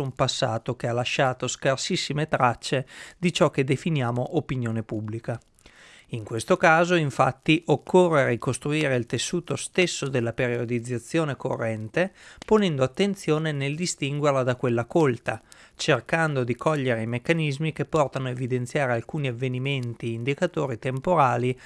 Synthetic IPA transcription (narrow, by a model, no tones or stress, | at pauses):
umpasːa̰ːt̪okealaʃːaːt̪oskarsisːimet̪ɾat͡ʃːed̪it͡ʃɔk̟ːed̪efinjaːmoʔopinjoːnepubːlika | iŋkwest̪okaːzoiɱfa̰t̪ːiʔokʰːorːeɾikost̪ɾuiːɾeilt̪esːuːt̪ost̪esːod̪elːapeɾiod̪id̪zːat̪sːjoːneko̰rːɛnt̪eponɛnd̪oat̪ːent̪sjoːneneld̪ist̪iŋɡwerlad̪akwelːakolt̪at͡ʃerkand̪od̪ikʰɔʎːeɾeimekːanizmik̟epːɔrt̪anoevid̪ent̪sjaːɾealkuːniavːeniment̪iːnd̪ikat̪oːɾit̪empoɾaːli